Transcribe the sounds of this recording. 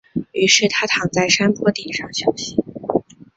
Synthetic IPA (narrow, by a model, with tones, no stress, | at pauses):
y˧˥ʂɻ̩˥˩t̪ʰa˥t̪ʰɑ˧˥ŋt͡sa˥˩ɪʂa˥npʰwɔ˥t̪jɛ˨˩ʂɑ˥˩ŋɕjɑ˨˩ʊɕi˧˥˦